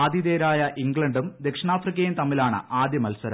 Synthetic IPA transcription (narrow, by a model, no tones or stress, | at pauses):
aːd̪jid̪eːɾaːjɐʔiŋɡɭɐɳɖumd̪ekʂɐɳaːfrikʲːɐjimt̪ɐmːilaːɳɨ̰ʔaːd̪jɐmɐlsɐɾ